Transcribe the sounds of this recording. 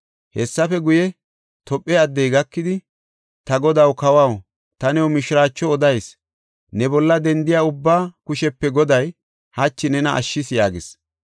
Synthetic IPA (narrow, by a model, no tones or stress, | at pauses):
hɛsːɐfɛɡʊjɛ | t̪ɔpʼːɛɐd̪ːɛjɡɐkːɪd̪ɪ | t̪ɐɡɔd̪ɐwkɐwɐw | t̪ɐnɛwmɪʃɪɾaːt͡ʃːɔɔd̪ɐjs | nɛbɔlːɐd̪ɛnd̪ɪjaːʊbːaːkʊʃɛpːɛɡɔd̪ɐj | hɐt͡ʃːɪnɛnɐɐ̰ʃːɪsjaːɡɪs